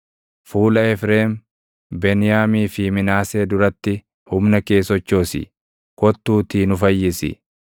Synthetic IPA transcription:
fuːlɐɛfɾeːm | bɛnɪjaːmiːfɪmɪnaːse̞ːd̪ʊɾɐt̪ːɪ | hʊmnɐke̞ːsɔt͡ʃːo̞ːsɪ̰ | kɔt̪ːuːt̪iːnʊfɐjːɪsɪ̰

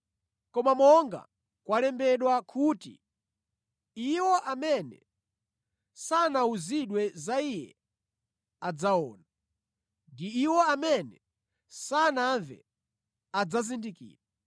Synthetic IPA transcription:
kɔmamɔŋɡa̰ | kwalɛmbɛɗwakʰutḭ | iwɔʔamɛnɛ̰ | sanauziɗwɛzaijɛ̰ | ad͡zaɔ̰ːna | ndiːwɔamɛnɛ | sanaɱvɛ̰ | ad͡zazindikḭːɾa

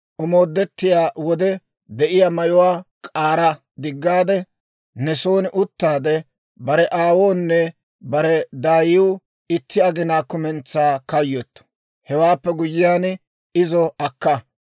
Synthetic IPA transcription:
ʔʊmo̞ːd̪ːɛt̪ːɪjaːwɔd̪ɛ | d̪ɛʔɪjamɐjʊwaːkʼaːɾɐ | d̪ɪɡːaːd̪ɛ | nɛsoːnɪʔʊt̪ːaːd̪ɛ | bɐɾɛʔaːwoːnːɛ | bɐɾɛd̪aːjɪw | ɪt̪ːɪɐɡɪnaːkʊmɛnt͡sːaːkɐjːot̪ːɔ̥ | hɛwaːpːɛɡʊjːɪjaːn | ɪzɔɐkːɐ

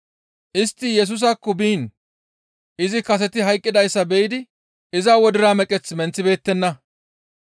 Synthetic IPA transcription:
ʔɪst̪ːɪjɛs̬ʊs̬akːɔbiːn | ʔɪzɪkɐs̬ɛt̪ɪɦɐjkʼːɪd̪ɐjsːɐbɛjɪd̪ɪ | ɪzaːwɔd̪ɪɾaːmɛkʼɛt͡smɛnt͡sːɪbe̞ːt̪ːɛnːɐ

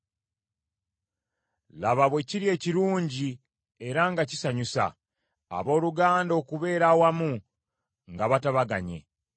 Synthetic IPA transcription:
laβaβwe̞ciɾie̞ːciɾuːɲɟi | e̞ɾaŋɡacisaɲusa̰ː | βo̞ːluɡaːndo̞ːkuβe̞ːɾawamu | ŋɡaβataβaɡaɲe̞̰

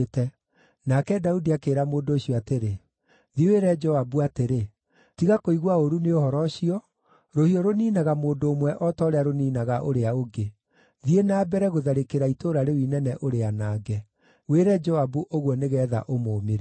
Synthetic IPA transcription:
tɛ | nakɛdaudiakeːɾamoːndoːɕiɔateɾe | ðiweɾɛd͡ʒɔabuateɾe | tiɣakoiɣwaoɾuneohɔɾɔɕiɔ | ɾohiɔɾoniːnaɣamoːndoːmwɛʔɔtɔɾɛaɾoniːnaɣaʔoɾeaoɡe | ðienaːbɛɾɛɣoðaɾekeɾaitoɾaɾewinɛnɛʔoɾeanaːɡɛ | weɾɛd͡ʒɔabuʔoɣwɔneɣɛːða̰ʔomoːmeɾe

